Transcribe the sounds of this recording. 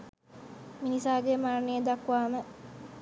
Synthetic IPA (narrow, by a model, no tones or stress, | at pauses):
minisaːɡemaɾnijəd̪akːʋaːmə